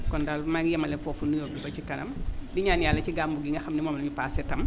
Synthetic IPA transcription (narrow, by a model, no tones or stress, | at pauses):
kɔndalmaŋijɐmɐlɛnfɔfunujobibɐt͡ʃikɐnɐ̰mdiɲaːnjaːlːɐt͡ʃiɡaːmbuɡiŋɡɐxɐmnimɔːmlɐɲipasɛtɐm